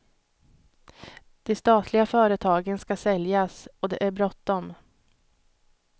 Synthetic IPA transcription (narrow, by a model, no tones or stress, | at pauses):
d̪̥ɛst̪ɑːt̪ʰlɪɡafœːɾət̪ʰɑːɡənskasɛljasɔd̪ɛ̰ʔæɾbɾɔt̪ːɔm